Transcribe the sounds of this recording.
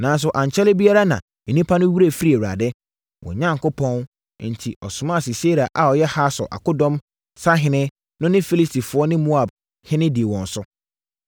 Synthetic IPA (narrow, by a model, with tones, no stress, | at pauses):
nã˨˦n˦s̬ʊ˨ʔã˨ɲ˨t͡ɕʰɛ˦lɪ˦bi˦a˦ɾa˦nã̰˨ | nĩ˦pʰa˦nʊ̃˦wi˦ɾe˦˨fi˦ɾi˦e˨wu˨ɾa̰˨dɛ˦ | wʔɔ̰̃˨ɲã˦ŋkʊ˦pʰɔ̃˦n˦ | n̩˨tʰi˨ʔɔ˨sʊ̃˨mã˦˨si˨se˦ɾi˨a˨ʔa˨ɔ˨jɛ˦ha˦sʊ̰˨ʔa̰˨kʊ˦dɔ̃˦m | sa˦ɦɪ̃˨nɪ̃˦ | nʊ̃˦nɪ̃˦fi˦li˦stʰi˨fʊ˨˦ɔ˦nɪ̃˦mo˦a˨b̚ | hɪ̃˦nɪ̃˦di˨e˨wɔ̃˨n˨sʊ˦